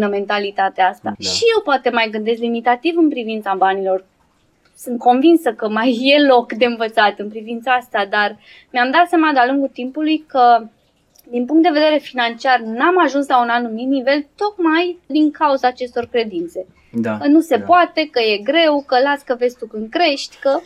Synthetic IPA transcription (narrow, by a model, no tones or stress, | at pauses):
nəme̞nt̪alit̪at̪east̪aʃije̞wpoat̪e̞majɡɨnd̪e̞slimit̪at̪ivɨnpɾivint̪sabanilo̞r | sɨnt̪̚ko̞nvinsəkəmajːe̞lo̞kd̪e̞ɨnvət̪sat̪ɨnpɾivint̪saast̪ad̪ar | meamd̪at̪sjamad̪ealuŋɡut̪impulujkə | d̪inpuŋkt̪d̪e̞ve̞d̪e̞ɾe̞finant͡ʃiarnamaʒunslaunanumit̪̚nive̞lt̪o̞kmajd̪iŋkauzaːt͡ʃe̞st̪o̞rkɾe̞d̪int̪se̞ | kənuse̞poat̪e̞kəje̞ɡɾe̞wkəlaskəve̞st̪ukɨnd̪̚kɾe̞ʃt̪ʲkə